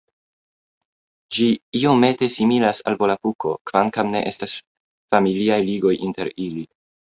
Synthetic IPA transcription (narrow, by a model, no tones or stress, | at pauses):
d͡ʒiio̞me̞te̞similasa̰lvo̞lapuko̞̰kvaŋkamne̞̰ʔe̞stas | familiajliɡo̞jʔinte̞ɾili